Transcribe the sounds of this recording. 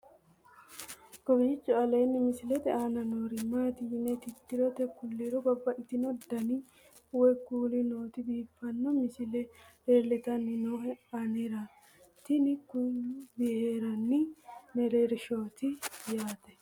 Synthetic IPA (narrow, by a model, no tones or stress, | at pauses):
ɡ̥ɔbit͡ʃːɔɐleːnːɪmɪsɪlɛt̪ɪanɐnoːɾɪmaːt̪inɛt̪ɪt̪ːɪɾɔt̪ɛkːʊlːiɾɔbɐbːɐɪt̪ɪnɔd̪ɐni | ʊwɛkuːlɪnoːt̪ɪbiːfːɐnːɔmɪsɪlɛɾeːlːɪt̪ɐnːɪnoɐnɛɾɐ | t̪ɪnɪkːʊbɪheːɾɐnːɪnɛɾeɾɪʃo̞ːt̪ɪjaːt̪ɛ̥